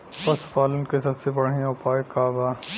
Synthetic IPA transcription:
pɐspaːlənkesɐbsebɐɽ̤ĩjãʊpaːekaːbaː

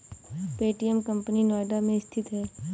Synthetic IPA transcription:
peːʈijəmkəmpəninaːɖamẽɪst̪ʰɪt̪ɦɛː

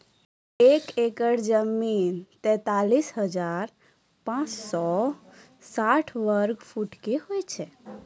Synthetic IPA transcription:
ekekəɽd͡ʒəmint̪ɛ̃t̪alisɦəd͡ʒaɾ | pãt͡ʃsɔ | saʈʰʋəɾɡpʰuʈkeɦojt͡ʃʰɛ

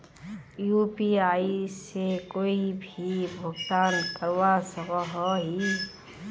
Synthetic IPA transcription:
jupiaːisekoːibʱibʱʊɡt̪aːnkəɾwasəkəɦɔɦi

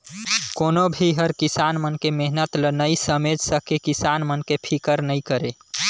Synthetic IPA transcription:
konobʱiɦəɾkisanmənkemeɦnət̪lənəisəmed͡ʒsəkekisanmənkepʰikəɾnəikəɾe

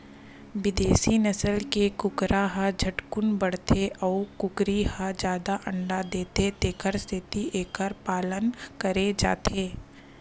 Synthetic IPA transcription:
ʋɪd̪eːsinɐsəlkekʊkɾaɦad͡ʒʱɐʈkʊnbəɽt̪ʰeʔɔːkʊkɾihad͡ʒjaːd̪aʔɐ̃ɳɖad̪eːt̪ed̪eːkʰəɾst̪ʰɪt̪iʔeːkəɾpaːlənkəɾed͡ʒa̰ːt̪ʰeː

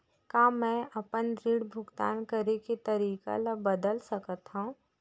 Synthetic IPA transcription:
kaːmɛ̃ʔɐpənd̪ɾiːɽbʱʊɡt̪a̰ːnkəɾeket̪ɐɾiːka̰labəd̪əlsəkət̪ɦũː

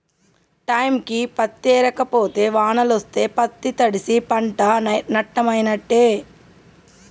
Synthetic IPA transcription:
ʈɐjmkipɐt̪ːeːɾɐkːɐpoːt̪eːʋaːnɐlʋɐst̪eːpɐt̪ːit̪ɐɽisipɐɳʈaːnɐʈːɐmɐjnɐʈːeː

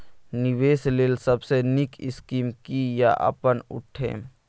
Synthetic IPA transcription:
nɪʋeːsleːlsəbsenɪkɪ̰skiːmkija̰ʔə̰pənʊ̰ʈʰḛ̃ː

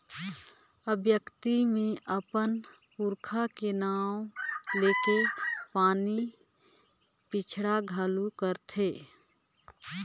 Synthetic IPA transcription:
əbjəkt̪imẽʔəpən | puɾkʰakenaːwleːkepaːni | pɪt͡ʃʰɽaɡʱalukəɾt̪ʰeː

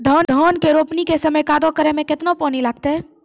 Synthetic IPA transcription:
d̪ʱɔːnd̪ʱɔːnkeɾoːpnikesəməjkaːd̪okəɾemẽkɪt̪nopɔːnilaːɡ̚t̪eɦɛ

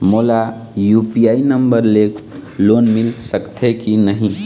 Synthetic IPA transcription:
molajupiainəmbəɾleklonmilsəkt̪ʰekinəɦĩ

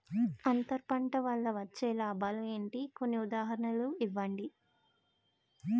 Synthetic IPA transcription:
ɐnt̪ɐɾpɐɳʈɐʋɐlːɐʋɐt͡ʃːɛːlaːbɐlueːɳʈiko̞nːiud̪aːɦɐɾɐɳɐluiʋːɐɳɖi

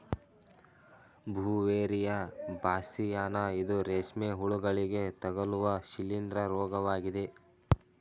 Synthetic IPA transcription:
bʱuːʋeːɾijɐbaːsijaːnɐid̪uɾeːʂmeːɦuɭuɡɐɭiɡe̞t̪ɐɡɐluʋɐʃilind̪ɾɐɾɔːɡɐʋaːɡid̪e̞

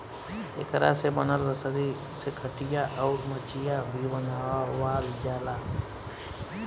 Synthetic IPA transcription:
ḛːkəɾa̰sebənəlɾəsəɾi | sekʰəʈijaʔɔːɾmət͡ʃijabʱibənawawaːld͡ʒaːlaː

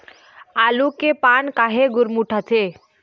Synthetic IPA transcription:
alukepankaɦeɡuɾmuʈʰəte

